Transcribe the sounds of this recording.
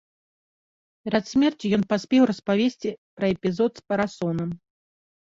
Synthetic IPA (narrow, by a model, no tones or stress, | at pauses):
pʲɛɾɐt̪sʲmʲɛrt͡sʲijɔnpasʲpʲɛwrɐspavʲesʲt͡sʲipɾɐɛpʲizɔt̪spɐɾasɔnɐm